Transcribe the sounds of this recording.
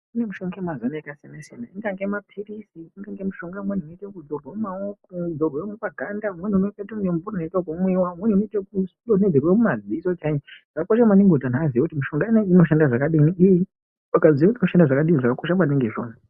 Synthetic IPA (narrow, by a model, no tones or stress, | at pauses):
unemuʃoŋɡemwazonaekasanasena̰iŋɡaŋɡemapʰirisiːŋɡaŋɡemuʃoŋɡamwan̤unoitakud̪oromumaoudorwemwepaɡʱandamun̤unoketoujemvuranoitakumwiwamwun̤uinoitakusloned͡zerwemumad͡zisot͡ʃaɲiʐ̥akakoʃ̬amwaniŋɡotanaziakutimuʃoŋɡaineino̞ʃandaʐakaɗiniiji | akaziekutinoʃandaʐakaɗiniʐakakoʃ̬amwaniŋɡeʐo̰ːna